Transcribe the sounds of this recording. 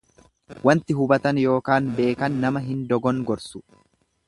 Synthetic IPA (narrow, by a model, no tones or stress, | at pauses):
wɐnt̪ɪɦʊbɐt̪ɐnjo̞ːkaːnbe̞ːkɐnːɐmɐɦɪnd̪ɔɡɔŋɡɔɾsʊ̥